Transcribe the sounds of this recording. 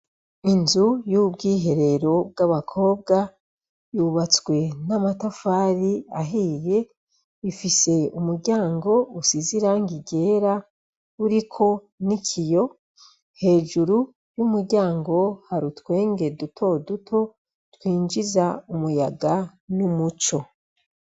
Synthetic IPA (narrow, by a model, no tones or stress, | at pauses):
inzujub̚ɡiːɦe̞ɾe̞ɾo̞b̚ɡaβakʰo̞ːb̚ɡa | juβat͡swe̞namatafaːɾiaɦije̞ | ifise̞umuɾɟaːŋɡo̞usiziɾaŋɡiɟe̞ːɾa | uɾikʰo̞ | nikʰijo̞ | he̞ːʒuɾu | jumuɾɟaːŋɡo̞haɾutwe̞ːŋɡe̞dutʰo̞dutʰo̞ | twiːɲd͡ʒizaumujaɡa | numut͡ʃo̞